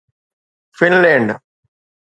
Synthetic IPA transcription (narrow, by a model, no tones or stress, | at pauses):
finleɳɖ